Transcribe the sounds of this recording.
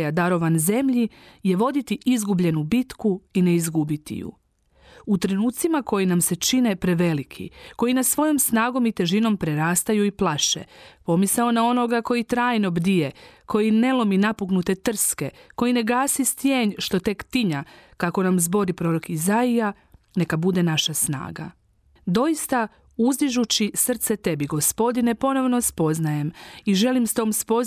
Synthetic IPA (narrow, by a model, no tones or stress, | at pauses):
jad̪aɾo̞ʋanze̞mʎi | je̞ʋo̞d̪it̪iʔizɡubʎe̞nubit̪kuine̞izɡubit̪ḭjṵ | ut̪ɾenuːt̪simako̞jinamse̞t͡ʃine̞pɾe̞ʋe̞likʰḭko̞jinasʋo̞jo̞msnaːɡo̞mit̪e̞ʒino̞mpɾe̞ɾaːst̪ajuiplˠaʃe̞̰po̞misao̞nao̞no̞ɡako̞jit̪ɾaːjno̞bd̪ije̞kʰo̞jine̞lˠo̞minapuɡnut̪e̞t̪r̩ske̞ko̞jine̞ɡaːsist̪je̞ːɲʃt̪o̞t̪e̞kt̪iɲakako̞namzbo̞ɾipɾo̞ɾo̞kizaija | ne̞kabud̪e̞naʃasna̰ːɡa̰ | d̪o̞jist̪a | uzd̪iʒut͡ɕisr̩t̪se̞t̪e̞biɡo̞spo̞d̪ine̞po̞no̞ʋno̞spo̞znaje̞miʒe̞limst̪o̞ːmspo̞